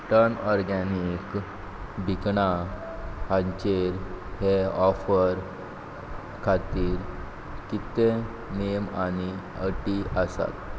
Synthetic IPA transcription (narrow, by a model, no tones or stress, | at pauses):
ʈənɔɾɡanik | bʱikɳa | hãɲt͡ɕeɾheɔfəɾ | kʰat̪iːɾ | kit̪e | nejəmani | əʈiəsa̰t̪